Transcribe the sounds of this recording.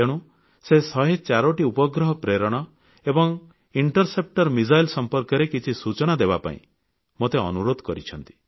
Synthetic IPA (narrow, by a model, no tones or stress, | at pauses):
eɽ̃ũ | sesɔɦet͡ʃaɾoʈiupɔɡɾɔɦɔpɾeɾɔɽ̃ɔ | ebɔŋ | iɳʈɔɾsep̚ʈɔɾmizajlsɔmpɔɾkɔɾekit͡ʃʰisut͡ʃɔɽ̃ad̪ebapa̰ḭ̃ | mot̪eɔ̰nuɾod̪ʱkɔɾit͡ʃʰɔnt̪i̥